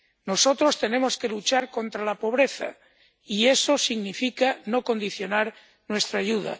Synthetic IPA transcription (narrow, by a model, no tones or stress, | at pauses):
no̞so̞t̪ɾo̞st̪e̞ne̞mo̞ske̞lut͡ʃaɾko̞nt̪ɾalapo̞β̞ɾe̞θa̰ | ie̞so̞siɣnifikano̞ko̞nd̪iθjo̞naɾ | nwe̞st̪ɾaːʝuða̰